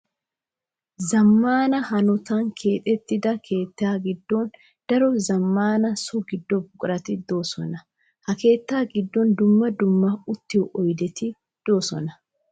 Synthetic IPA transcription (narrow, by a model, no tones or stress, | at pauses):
zɐmːaːnɐhɐnʊt̪ɐŋkʰe̞ːt̪ʼɛt̪ːɪd̪ɐkʰe̞ːt̪ːaːɡɪd̪ːɔn | d̪̥ɐɾɔzɐmːaːnɐsɔɡɪd̪ːɔbʊkʼɾɐt̪ɪd̪o̞ːsɔ̰nɐ | hɐke̞ːt̪ːaːɡɪd̪ːɔnd̪ʊmːɐd̪ʊmːɐʊt̪ːɪjʔɔjd̪ɛt̪ɪ | d̪̥o̞ːsɔ̰nɐ